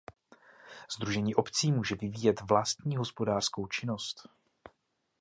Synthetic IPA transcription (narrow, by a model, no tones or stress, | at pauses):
z̥d̪ɾuʒɛɲiːʔo̞pt͡siːmuːʒɛvɪviːjɛt̪vlast̪ɲiːɦo̞spo̞daːr̥sko̞wt͡ʃɪno̞st̪